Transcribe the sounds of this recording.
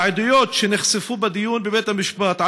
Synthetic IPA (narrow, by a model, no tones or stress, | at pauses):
ʕɪd̪ʊjoːt̪ʃinɪxsɪfuːbæd̪ɪjːuːnbɪbeːt̪amɪʃbɑːt̪ʕ